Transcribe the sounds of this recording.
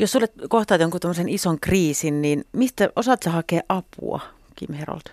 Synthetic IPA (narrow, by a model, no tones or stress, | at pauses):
josulːet̪koht̪ɑːt̪joŋkut̪omːsenisoŋkriːsinninmist̪æʔosɑˑt̪sɑhɑkeːʔʔɑpṵɑ̰ | kḭmhero̰lt̪